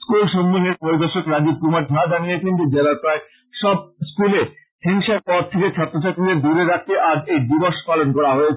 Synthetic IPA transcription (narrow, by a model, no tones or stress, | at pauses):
skulʃomːineɾpoɾid̪oʃokɾad͡ʑib̚kumaɾɡʱad͡ʑanijet͡ɕʰend͡ʑed͡ʑelaɾpae | ʃɔb̚skule | hiŋʃaɾpɔɾt̪ʰeket͡ɕʰɔt̪ːɾot͡ɕʰaɾt̪ːɾid̪eɾd̪uɾeɾak̚ʰt̪eʔaɾejɖiboɾʃpalonkɔɾaɦoet͡ɕʰe